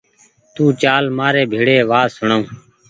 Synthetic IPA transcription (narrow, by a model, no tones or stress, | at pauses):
t̪ũːt͡ʃaːlmaːɾeːbʱiːɽeːʋaːsʊɳaũː